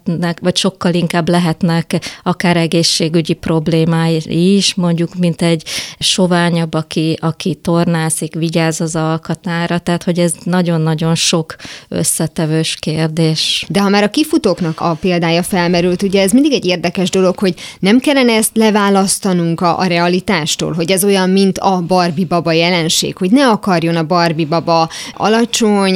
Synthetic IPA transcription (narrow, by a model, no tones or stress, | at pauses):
ɛkʋɒcʃo̞kːɒliŋkaːblɛɦɛt̪nɛkɒkaːɾɛɡeːʃːeːɡyɟipro̞bleːmaːjiʃmo̞ɲɟukmint̪ɛɟʃo̞vaːɲɒbɒkiʔɒkit̪o̞rnaːsikʋiɟaːzɒzɒlkɒt̪aːɾɒt̪ɛɦat̪ho̞ɟɛznɒɟo̞nːɒɟo̞nʃo̞kø̰sːɛt̪ɛvøːʃkeːrd̪eːʃd̪ɛɦɒmaːɾɒkifut̪oːknɒkɒpeːld̪aːjɒfɛlmɛɾylt̪uɟɛːzmind̪iɡɛɟeːrd̪ɛkɛʒd̪o̞lo̞kho̞ɟnɛmkɛlːɛnɛɛst̪lɛvaːlɒst̪ɒnuŋkɒʔɾɛɒlit̪aːʃt̪o̰ːlɦo̞ɟɛzo̞jɒmmint̪ʰɒbɒrbibɒbɒjɛlɛnʃḛːkho̞ɟnɛɒkɒrjo̞nɒbɒrbibɒbɒɒ̰lɒt͡ʃo̞ɲ